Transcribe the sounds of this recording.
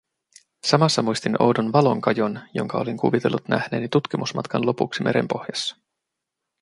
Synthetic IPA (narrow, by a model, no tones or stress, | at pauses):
sɑmɑsːɑmujst̪ino̞̰wdonʋɑlo̞ŋkɑjo̞njo̞̰ŋkɑo̞liŋkuʋit̪e̞lːut̪næ̰hne̞ːnit̪ut̪k̟imusmɑt̪kɑnlo̞puksime̞ɾe̞̰mpo̞hjɑsːɑ̥